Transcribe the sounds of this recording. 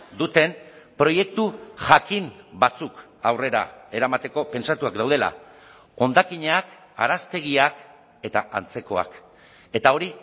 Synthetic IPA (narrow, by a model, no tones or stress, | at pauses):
d̪ut̪e̞mpɾo̞je̞k̚t̪uʝakimbat͡suk | awre̞ɾa̰e̞ɾamat̪e̞ko̞pe̞nsat̪uakd̪awð̞e̞la̰ | o̞nd̪akiɲak | a̰ɾast̪e̞ɣ̞iak | e̞t̪aa̰nt͡se̞ko̞a̰k | e̞t̪ao̞ɾi